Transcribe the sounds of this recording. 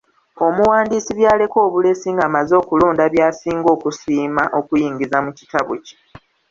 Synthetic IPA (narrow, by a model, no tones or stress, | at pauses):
o̞muwaːndiːsiβjaːle̞ko̞ːβule̞siːŋɡaːmazo̞ːkulo̞ːndaβjaːsiːŋɡo̞ːkusiːmaʔo̞kujiːŋɟizamucitaβo̰ci̥